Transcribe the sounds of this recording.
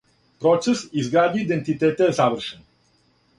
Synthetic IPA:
pɾɔt͡ʃesizɡɾad̪iid̪ẽnt̪it̪et̪ezavəɾʃə̃n

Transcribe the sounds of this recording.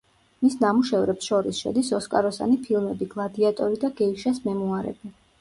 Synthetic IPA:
misnamuʃɛvɾɛpsʃɔɾisʃɛ̰d̪isɔskʼaɾɔsa̰nipʰilˠmɛbiɡ̥lˠad̪iat̪ʼɔɾid̪aɡɛiʃasmɛmuaɾɛ̰bi

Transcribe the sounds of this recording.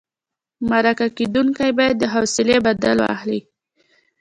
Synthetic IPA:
maɾakaked̪uŋkajbɑjad̪ːəɦawsɪlebad̪alo̰a̰xli

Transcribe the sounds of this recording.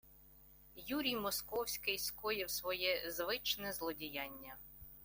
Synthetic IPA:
juɾʲijmɔskɔwsʲkɪjskɔjɪwsʋɔjɛzʋɪt͡ʃnɛzlˠɔdʲijɑnʲːɐ

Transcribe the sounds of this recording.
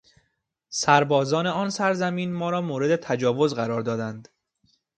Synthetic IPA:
sæɾbɒːzɒːne̞ɒːnsæɾzæmiːnmɒːɾɒːmoːɾe̞d̪e̞t̪ʰæd͡ʒɒːvo̞zɢæɾɒːɾd̪ɒːd̪ænd̪

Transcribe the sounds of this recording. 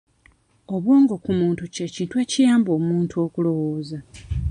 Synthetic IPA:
o̞βwoːŋɡo̞kumuːntuce̞ciːntwe̞ːcijaːmbo̞ːmuːntuokulo̞woːza

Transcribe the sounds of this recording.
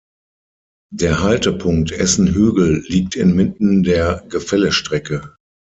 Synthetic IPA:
d̥eːɐɦaltəpʰʊŋk̚tʰʔɛsn̩ɦøːɡl̩liːk̚tʰɪnmɪtn̩deːɐɡəfɛləʃtʁ̥ɛkə

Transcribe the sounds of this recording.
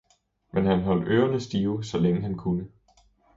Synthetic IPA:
menɦænɦɒ̽l̰d̥øːʊɐnəsd̥iːʊsɒ̽leŋəɦænkʰunə

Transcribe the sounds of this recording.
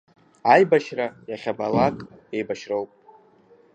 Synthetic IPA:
ajbaʃrajaχʲabalakʼe̞jbaʃrowpʼ

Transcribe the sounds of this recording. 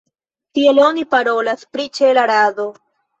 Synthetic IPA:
tie̞lo̞nipaɾo̞laspɾit͡ʃelaɾado

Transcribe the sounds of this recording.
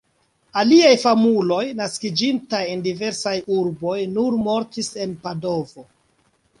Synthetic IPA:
aliajfamulo̞jnaskid͡ʒintajendive̞ɾsajuɾbo̞jnuɾmo̞ɾtise̞npado̞vo̞

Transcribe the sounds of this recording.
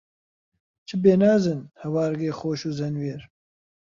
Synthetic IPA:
t͡ʃʰɨbeːnaːzɨnhɐwaːɾɡeːxoːʃuːzɐnweːɾ

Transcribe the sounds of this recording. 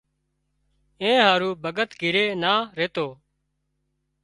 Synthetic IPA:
ẽːɦaːɾuːbʱəɡət̪ɡʱɪɾeːnaːɾeːt̪oː

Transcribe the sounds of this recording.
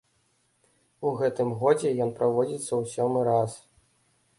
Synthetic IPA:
uɣɛt̪ɨmɣɔd͡zʲɛjɔnpɾavɔd͡zʲit̪sːɐwsʲɔmɨɾas

